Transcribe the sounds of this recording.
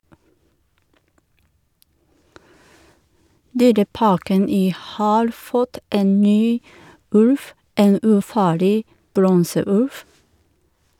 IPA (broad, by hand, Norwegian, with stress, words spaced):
ˈdyːɾəˌpɑːkən ˈiː ˈhɑːɾ ˈfɔt ˈeːn ˈnyː ˈʉlf ˈeːn ʉːˈfɑːɭɪ ˈbɾɔnsəˌʉlf